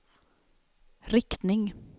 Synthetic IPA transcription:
ɾɪkt̪nɪŋ

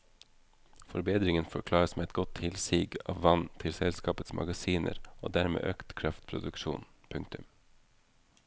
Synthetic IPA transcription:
fɔɾbeːd̪ɾɪŋənfɔɾkʰlɑːɾəsmeːɛt̪̚ɡɔt̪ʰhɪlsiːɡɑ̰ːʋʋɑnt̪ʰɪlsɛlskɑːpət̪smʔɑ̰ɡɑsiːnə̰ɾo̰ːd̪æɾmḛːʔøːkt̪kʰɾɑft̪pʰɾʊd̪ʉkʃṵːnpʰʉŋk̚t̪ʉm

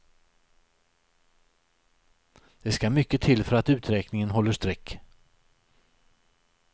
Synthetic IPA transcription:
d̪̥ɛskamʏkːət̪ʰɪlfœɾat̪ʉ̟ːt̪ɾɛːknɪŋənɦɔlːəʂt̪ɾɛkː

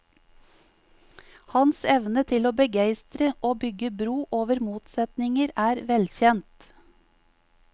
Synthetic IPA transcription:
hɑnsɛʋnət̪ʰɪloːbəɡæɪst̪ɾəʔoːbʏɡəbɾuːʔoːʋəɾmuːt̪sɛt̪nɪŋəɾæːɾʋɛlçɛnt̪

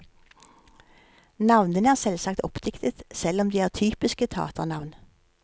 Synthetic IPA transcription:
nɑʋnənəæːʁsɛlsɑkt̪ʰɔpd̪̥ɪkt̪ʰət̪sɛlɔmd̪iːæːʁt̪ʰyːpɪskət̪ʰeɑ̰ːt̪əʁnɑʋn

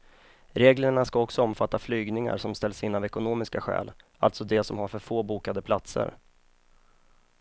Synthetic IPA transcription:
ɾeːɡləɳaskaɔksɔɔmfat̪ʰːaflyːɡnɪŋa̰ɾʂɔmst̪ɛlːsinːavɛkʊnoːmɪskaɧɛ̰ːl | a̰lt̪sɔd̪ɛsɔmhaɾfœɾfoːbuːkad̪əpʰlat̪sə̰ɾ

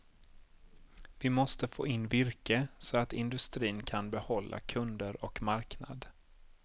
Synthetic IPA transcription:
vɪmɔst̪əfo̰ːɪnːvɪɾkəsɔat̪ɪnd̪ɵst̪ɾiːnkʰanbɛhɔlːʔa̰kʰɵnd̪əɾɔkmaɾkna̰d̪

